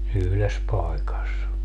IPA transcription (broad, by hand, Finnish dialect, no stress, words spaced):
yhles pɑi̯kɑs